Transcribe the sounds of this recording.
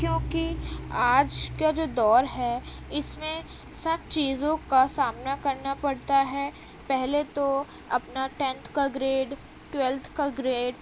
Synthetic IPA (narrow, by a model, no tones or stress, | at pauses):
kjõːkiaːd͡ʒkad͡ʒoːd̪ɔːɾɦɛ | ɪsmẽ | sɐb̚t͡ʃiːzõkasaːmnakɐɾnapɐɽt̪aɦɛː | pɛɦlet̪o | ɐpnaʈɛ̃ːnt̪ʰkaɡɾeːɖ | ʈwɛlt̪ʰkaɡɾeːɖ